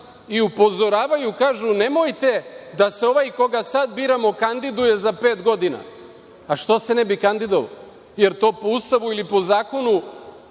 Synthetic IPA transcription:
iupo̞zo̞ɾaːʋajukaːʒunemojt̪e̞d̪aseo̞ʋajko̞ɡasad̪biːɾamo̞kand̪id̪uje̞zape̞ːt̪ɡo̞d̪ina̰ː | ʃt̪o̞se̞nɛbikand̪id̪oʋa̰ | je̞ɾt̪o̞ːpoust̪aʋuilipo̞zaːko̞nu

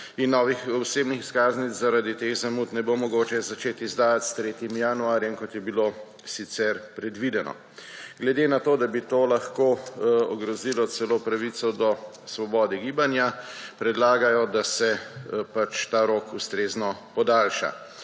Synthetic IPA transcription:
inːɔʋixɔseːbnixiskaːznizzaɾad̪it̪eɣzamuːt̪nɛbomɔɡoːt͡ʃɛzat͡ʃeːt̪izd̪aːjat̪st̪ɾeːt̪imjanuaːɾjɛmkɔt̪jɛbilo | sit̪sɛɾpɾɛd̪ʋid̪ɛnɔ̰ | ɡlɛd̪enat̪oːd̪abit̪oːlaxkoːɔɡɾɔzilɔsɛloːpɾaʋit̪sɔd̪ɔ | sʋɔbɔːd̪ɛɡiːbanjapɾɛd̪laːɡajɔd̪asɛpat͡ʃt̪aːɾokust̪ɾeːznɔpɔd̪aːlʃa̰

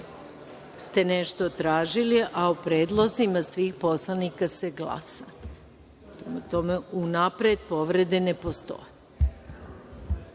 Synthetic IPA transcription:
st̪e̞neʃt̪o̞t̪ɾaːʒiliʔaupɾeːd̪lˠozimasʋiːxpo̞slˠanikase̞ɡla̰sa | pɾe̞mat̪o̞me̞unapɾed̪po̞ʋɾe̞d̪ene̞po̞st̪o̞̰je

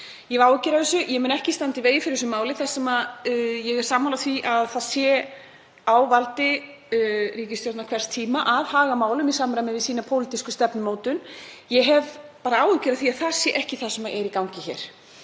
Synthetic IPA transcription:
jɛvawcɪɾaðɛsʏjɛmɛnɛhcɪst̪ant̪ɪveːjɪfɪɾɪɾs̬ʏmaːwlɪθɛsːɛmaðjɛɣɛɾ̥saːmːawlaθviʔaðθaðsjɛ | awvalt̪ɪ | riːcɪst̪jowt̪nakʰvɛr̥st̪ʰiːmaʔaðhaːɣamaːwlʏmisaːmɾajmɪvɪsiːnapʰowlit̪iskʏst̪ɛpnʏmoːwt̪ʏnjɛɦɛvpaːɾaaːwɪcɪɾaθiaðθḁsjɛʔɛhcɪθasɛmaʔɛɾikawɲcɪçɛ̰ɾ̥

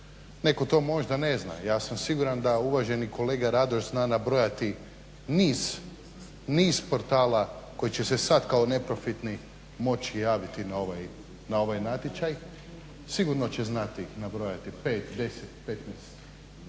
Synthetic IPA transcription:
neko̞t̪o̞ːmo̞ʒd̪ane̞zna̰jaːsamsiɡuɾand̪auʋaʒe̞nikʰo̞leːɡaɾad̪oʒznaːnabɾo̞jat̪i | niːz̥ | niːzpo̞ɾt̪aːlako̞jit͡ɕesesad̪kaone̞pɾo̞fit̪ni | mo̞t͡ɕijaːʋit̪inaoʋaj | nao̞ʋajnat̪jet͡ʃaj | siɡuɾno̞t͡ɕeznat̪inabɾo̞jat̪ipeːt̪d̪e̞set̪pet̪nɛst̪

